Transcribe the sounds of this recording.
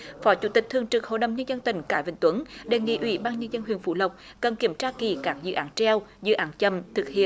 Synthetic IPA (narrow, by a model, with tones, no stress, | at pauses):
fɔ˨˦t͡ɕu˧˥t̪ï˨˩k̚t̪ʰɨ˨˩əŋt͡ɕɨ˨˩k̚ho̰˧˨jɗə̰˨˧˨wŋ͡mɲə˧nzə˧nt̪ï˧˩ŋ̟kaː˧˩jvï˧˨˩ŋt̪wə˨˦nɗe˨˩ŋḭ˧˥ʔwḭ˧˦ɓaː˧nɲə˧nzə˧nhwḭ˧˨ənfṵ˧˩˦lə˨˩wk͡p̚ | kə˨˩nki˧˩əmt͡ɕaː˧ki˧˩kaː˦˥k̚zɨ̰˧˨ʔaː˨˦nt͡ɕɛ˧wzɨ̰˧˨ʔaː˨˦nt͡ɕə˧˩mt̪ʰɨ˨˩k̚hḭ˧˨ən